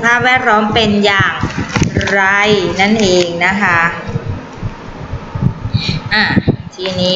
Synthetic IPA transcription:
pʰaː˥˩p̚wɛː˥˩t̪̚lɔː˦˥mpe˧njaː˨˩ŋɾa˧jna˥˩nʔeː˧ŋna˦˥kʰa˦˥ | ʔaː˧˩t̪ʰiː˧niː˦˥

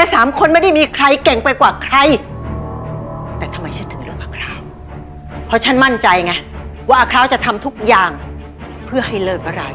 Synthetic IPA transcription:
lɛː˧˥saː˩˦mkʰo˧nma˥˩jda˥˩jmiː˧kʰɾa˧jkɛ˨˩ŋpa˧jkwaː˨˩kʰɾa˧j | t̪ɛː˨˩t̪ʰa˧mːa˧jt͡ɕʰɯ˥˩nt̪ʰɯ˩˦ɾɯ˥˩əŋʔaː˧kʰɾaː˦˥˩w | pʰɾɔ˦˥t͡ɕʰa˥˩nma˥˩nt͡ɕa˧jŋa˧˥jwaː˥˩ʔaː˧˩kʰɾaː˦˥˩wt͡ɕa˨˩t̪ʰa˧mt̪ʰu˦˥k̚jaː˨˩ŋ | pʰɯ˥˩ɐɦa˥˩jlɤː˥˩t̪̚ʔa˧ɾa˧˩

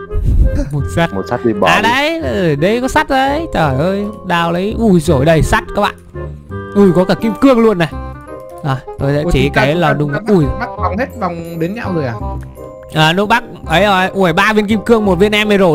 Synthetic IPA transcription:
mo˨˩t̚sa˦˥t̚mo˨˩t̚sa˦˥t̚ɗi˧˩ɓʔaː˨˩ɗə˧˦jɗə˨˧˦jkɔ˨˦sa˦˥t̚zə˨˦jt͡ɕ̪əː˨˩jʔəː˧jɗaː˧˩wlə˨˦jʔu˧˩jzo˧˩jɗə˨˩jsa˦˥t̚kaː˦˥ɓa̰ː˧˨ʔu˧˩jkɔ˨˦kaː˧˩ki˧mkɨ˧əŋlu˧ənːa˨˩ | zɔ˨˩jt̪o˧jsɛ̰˧˦˧t͡ɕi˨˧˨kaː˨˦jlɔ˨˧˩ɗʊ˨˧˩ŋ͡ma˨˦ʔu˧˩ja˦˥k̚va˨wŋ͡mhe˦˥t̚va˨˩wŋ͡mɗe˨˦nɲa̰˧wzo˨˩jʔaː˨˩ | ʔaː˨˩nṵ˧˥˦ɓa˦˥k̚ʔə˨˦jʔɔ˨˩ʔu˧˩əjɓaː˧vi˧ənki˧mkɨ˧əŋmo˨˩t̚vi˧ənʔɛ˧mːə˨˧jzo˨˩

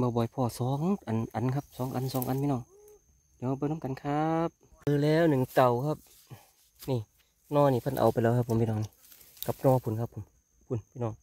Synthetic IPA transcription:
bɔː˧bɔː˨˦jpʰɔː˧˩sɔː˨˦ŋʔa˨nʔa˨nkʰa˧˥p̚sɔː˨˦ŋʔa̰˨nsɔː˨˦ŋʔa˨˦nmʰiː˧nɔː˧˩˨ŋ | di˨˧˦a˧bɔː˧˨nu˧˥˨ka˨nkʰa˦˧p̚ | pʰɯː˧˨lɛː˧˩˨wnɯ˨˩˨ŋt̪a˨˧˩wkʰa˧˩p̚ | niː˧˩ | nɔː˧˨niː˧˩pʰa˧˥˨nʔa̰˨˩wpa˨jlɛː˧˩kʰa˧pʰːmpiː˧nɔː˧˩ŋni˧ | ka˧˦p̚nɔː˧˦pʰu˧˨nkʰa˧pʰːo˨˧˦m | pʰu˧˦npʰiː˧˨nɔː˧˨ŋ

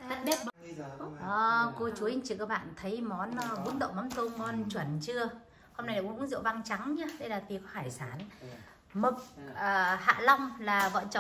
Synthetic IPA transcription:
ɓe˦˥ | ʔəː˨˩ko˧t͡ɕu˨˦hi˧ŋt͡ɕi˨kaː˦˥k̚ɓa̰ː˧˨nt̪ʰə˨˦jmɔ˨˦nː˧vṵ˧˥ənɗə̰˧˨wŋ͡mmɔ˨˦nt̪o˧mɔ˨˦nt͡ɕwə˧˩nt͡ɕɨ˧ə | ho˧wŋ͡mna˧jlaː˧˨˩ʔə˦nzḭ˧˨va˧ŋt͡ɕa˨˦ŋɲa˧˦ɗə˧jlaː˨˩t̪i˨˩kɔ˨˦haː˧˩jsaː˧˩n | mə˨˩k̚əː˨˩ha̰ː˧˨lɔ˧wŋ͡mlaː˨˩və̰˧˨t͡ɕ

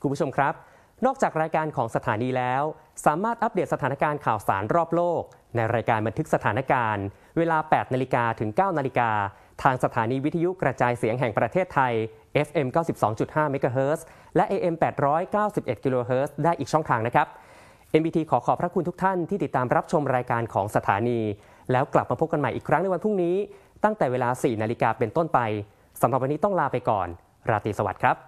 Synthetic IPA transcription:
kʰu˧mpʰu˥t͡ɕʰo˧mkʰɾa˦˥p̚ | nɔː˥˩k̚t͡ɕaː˨˩k̚ɾaː˧jkaː˧nkʰɔː˩˦ŋsa˧t̪ʰaː˩˦niː˧lɛː˦˥wsaː˩˦maː˥˩t̪̚ʔa˦˥p̚de˨˩t̪sa˧t̪ʰaː˩˦na˦˥kaː˧nkʰaː˨˩wsa̰ː˩˦nɾɔː˥˩p̚loː˥˩k̚ | na˧jɾaː˧jkaː˧nba˧nt̪ʰɯ˦˥k̚sa˧t̪ʰaː˩˦na˦˥kaː˧n | weː˧laː˧pɛː˨˩t̪̚na˧li˦˥kaː˧t̪ʰɯ˩˦ŋkaː˥˩wna˧li˧kaː˧ | t̪ʰaː˧ŋsa˧t̪ʰaː˩˦niː˧wi˦˥t̪ʰːa˧ju˦˥kɾa˧t͡ɕaː˧jsi˩˦əŋɦɛ˨˩ŋpɾa˧t̪ʰeː˥˩t̪ʰːa˧j | ʔe˦˥fʔe˧mkaː˥˩wsi˨˩p̚sɔ̰ː˩˦ŋt͡ɕu˨˩t̪̚haː˥˩me˦˥kaː˧ɦɤː˦˥s | lɛ˦˥ʔeː˧ʔe˧mpɛː˨˩t̪̚ɾɔː˦˥jkaː˥˩wsi˨˩p̚ʔe˨˩t̪̚ki˧loː˧ɦɤː˦˥sdaː˥˩jʔiː˨˩t͡ɕʰɔ˥˩ŋt̪ʰaː˧ŋna˦˥kʰɾa˦˥p̚ | ʔe˧mbiː˧t̪ʰiː˧kʰɔː˩˦kʰɔː˩˦pʰɾa˦˥kʰu˧nt̪u˦˥kt̪ʰa˥˩nt̪ʰiː˥˩t̪i˨˩t̪ːaː˧mɾa˦˥p̚t͡ɕʰo˧mɾaː˧jkaː˧nkʰɔː˩˦ŋsa˧t̪ʰa̰ː˩˦niː˧ | lɛː˦˥wkla˨˩p̚maː˧pʰo˦˥p̚ka˧nma˨˩jʔiː˨˩kʰɾa˦˥ŋna˧jwa˧npʰu˥˩ŋniː˦˥ | t̪a˥˩ŋt̪ɛː˨˩weː˧laː˧siː˨˩naː˧li˦˥kaː˧pe˧nt̪o˥˩npa˧j | sa˨˩˦mɾa˨˩wa˧niː˦t̪ɔ˥˩ŋlaː˥˩pa˧jkɔ̰ː˨˩n | ɾaː˧t̪iː˧sa˧wa̰˨˩t̪̚kʰɾa˦˥p̚

